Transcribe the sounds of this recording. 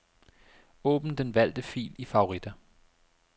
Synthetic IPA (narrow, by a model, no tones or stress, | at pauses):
ɔ̰̽ːb̥n̩d̥enʋæl̰d̥əfḭːlifɑ̈o̝ʁid̥æ